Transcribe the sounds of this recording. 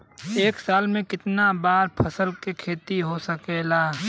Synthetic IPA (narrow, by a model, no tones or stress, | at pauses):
eːksaːlmẽkɪt̪nabaːɾpʰɐsəlkekʰeːt̪iɦosəkelaː